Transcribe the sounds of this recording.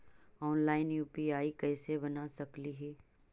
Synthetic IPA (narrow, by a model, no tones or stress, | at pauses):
ɔːnlaːɪnjuːpiaːikɛːsebɐnasɐkliɦɛː